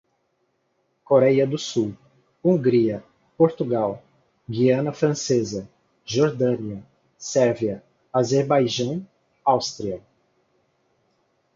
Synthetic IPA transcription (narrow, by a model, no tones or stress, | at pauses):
koɾɛjɐd̪ʊsuw | ũɡɾiɐ | poɾt̪uɡaw | ɡiɐ̃nɐfɾɐ̃sezɐ | ʒoɾd̪ɐ̃niɐ | sɛɾviɐ | azeɾbajʒɐ̃w̃ | awst̪ɾiɐ